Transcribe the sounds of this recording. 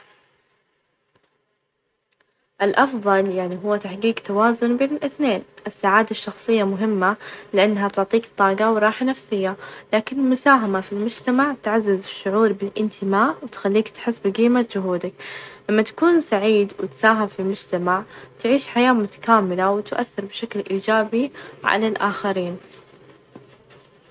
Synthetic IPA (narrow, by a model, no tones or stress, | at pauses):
ʔɪlʔɑfðˤɑljaʕniɦʊwːat̪aħɡiːɡt̪awaːzʊnbeːnɪlʔɪθneːnʔɪsːaʕaːd̪aʃːɑxsˤɨjːamʊɦɪmːalɪʔanːɦat̪ʊʕt̪ˤiːkt̪ˤːɑːɡɑwɾˤɑːħanafsɪjːalaːkɪnɪlmʊsaːɦamafilmʊd͡ʒt̪amaʕt̪ʕazːɪzɪʃːʊʕuːɾˤbɪlʔɪnt̪ʰɪmaːʔwɪt̪xalːiːkt̪ħɪsːbɡiːmad͡ʒʊɦuːd̪aklamːat̪ḁkuːnsaʕiːd̪wɪt̪saːɦɪmfilmʊd͡ʒt̪amaʕt̪ʕiːʃħajaːmʊt̪ḁkaːmɪlawɪt̪ʔa̰θːɪɾˤbɪʃaklʔiːd͡ʒaːbiʕa̰lalʔaːxaɾiːn